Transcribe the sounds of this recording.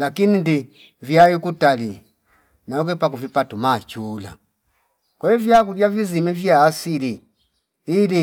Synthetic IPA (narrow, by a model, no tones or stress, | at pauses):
lakinindi | vjaikutali | naɔkɛpakuvipatumat͡ʃuːla̰ | kwɛivjakuvjavizimɛvjaːsili | ili